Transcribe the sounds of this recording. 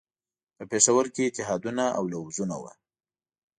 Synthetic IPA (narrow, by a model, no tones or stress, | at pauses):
pəpeʃawəɾkeɪt̪ɪɦɑd̪unaʔa̰wlawzuna̰wa̰